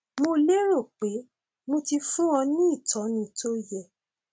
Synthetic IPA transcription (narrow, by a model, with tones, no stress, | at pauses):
mo˧le˦ɾo˦˨k͡pe˨˦ | mo˧ti˧fũ˦wɔ̃˧nĩ˦i˦˨tɔ̃˨˦nĩ˧˦to˦jɛ˦˨